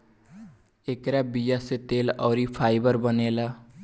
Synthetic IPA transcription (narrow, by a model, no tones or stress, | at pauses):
ekɾabijaset̪eːlɔːɾipʰaːɪbəɾbəneːlaː